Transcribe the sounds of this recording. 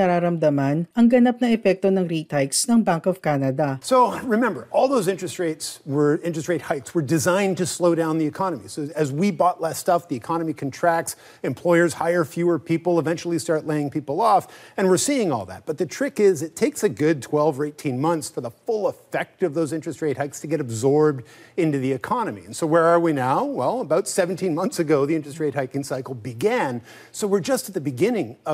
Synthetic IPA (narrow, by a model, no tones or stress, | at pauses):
ɐɾaːɾɐmd̪ɐmanʔɐŋɡɐnap̚nɐɛpɛk̚t̪onɐŋɾit̪ajksnɐŋbaŋkɔv̥kaːnɐd̪ɐsoʊɹɨmɛ̃mbə˞ʔɔlˠðoʊzɪ̃nt͡ʃɹ̥ɨst̚ɹeɪtswə˞ɪ̃nt͡ʃɹ̥ɨst̚ɹeɪt̚haɪtswə˞dɨzãɪ̃ntɨsloʊɾãʊ̃nðiɨkʰɑnəmḭsoʊɨzwibɔtˡlɛstʌp̚ðiɨkʰɑnəmikʰɨ̃ntʰɹ̥æk̚ts | ɨ̃mpʰl̥ɔɪə˞z̥haɪə˞fjʉə˞pʰipl̩ˠəvɛ̃nt͡ʃl̩ˠistɑɹtˡleɪɪ̃ŋpʰipl̩ˠɔfɨ̃nwɨɹsiɪ̃ŋɔ̰lˠðæ̰t̚b̥ʌt̪̚ðɨtʰɹ̥ɪkɪzɨtʰeɪksɨɡʊd̚tʰw̥ɛlˠvə˞eɪtʰĩnmʌ̃nθsfə˞ðəfʊlˠəfɛk̚tʌvðoʊzɪ̃nt͡ʃɹ̥ɨstɹeɪt̚haɪkstʰɨɡɛɾɨbzɔɹb̚dɪ̃ntʉðiɨkʰɑnɨmḭɨ̃nsoʊwə˞ə˞winaʊwɛlˠəbaʊtsɛvn̩tʰĩnmʌ̃nθsɨɡoʊðiɪ̃nt͡ʃɹ̥ɨst̚ɹeɪt̚haɪkɨ̃ŋsaɪkl̩ˠbɨɡæ̃n | soʊwɪɹd͡ʒʌstɨt̪̚ðɨbɨɡɪ̃nɪ̃ŋʌ